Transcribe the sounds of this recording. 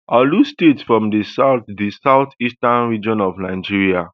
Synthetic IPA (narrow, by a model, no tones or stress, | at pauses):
ʔalustetsfɹɔ̃mdisaʊtdisaʊθistãnɹid͡ʒɔ̃nɔvnaɪd͡ʒiɹia